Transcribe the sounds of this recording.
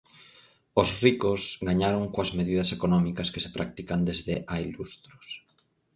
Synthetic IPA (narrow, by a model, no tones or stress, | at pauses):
ʊsrikʊsɡaɲaɾoŋkoɐzmeðiðɐsekonɔmikɐske̥se̥pɾak̚t̪ikand̪ezðɪʔailust̪ɾʊs